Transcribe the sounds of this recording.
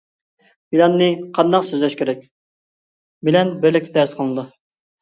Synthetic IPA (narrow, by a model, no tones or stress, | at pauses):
bilɑnːɨqʰɑnd̪ɑqsøzlɛʃkʲʰeɾɛk̚ʲ | bɪlɛnbɪɾlɪk̚ʲt̪ʰɛd̪æɾsqʰəlˠnɨd̪u